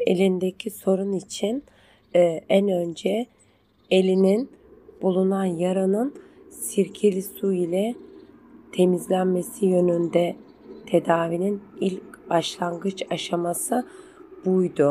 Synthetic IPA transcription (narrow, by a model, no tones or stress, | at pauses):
ḛlʲind̪ecʰiso̞ɾunit͡ʃʰinː | ænø̞nd͡ʒɛ | e̞lʲinin | b̥ulˠunanjaɾanɯn | siɾcʰelʲisuilʲɛ | t̪ʰe̞mizlʲænme̞sijø̞nynd̪ɛ | t̪ʰe̞d̪aːvininilʲcb̥aʃlˠaŋɡɯt͡ʃaʃamasɯ | b̥ujd̪ʊ